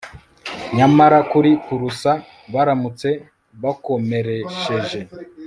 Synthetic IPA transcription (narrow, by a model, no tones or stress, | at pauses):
ɲamaɾakuɾikuɾusa | βaɾamut͡se̞ | βako̞me̞ɾeʃe̞ʒe̞